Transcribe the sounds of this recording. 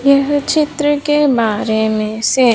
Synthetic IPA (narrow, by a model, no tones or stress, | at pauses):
jɐɦt͡ʃɪt̪ɾəkebaːɾemẽse